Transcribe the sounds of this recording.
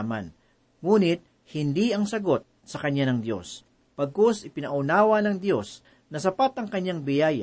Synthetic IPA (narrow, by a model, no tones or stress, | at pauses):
ma̰n | ŋuːnɪt̪̚ | hɪnd̪iɐŋsɐɡo̞t̪̚ | sɐkɐɲːanɐŋd̪jo̞̰s | pɐɡ̚kosɪpɪnɐʔʊnaːwɐnɐŋd̪jo̞s | nɐsɐpat̪ɐŋkɐɲːaŋbɪjaːj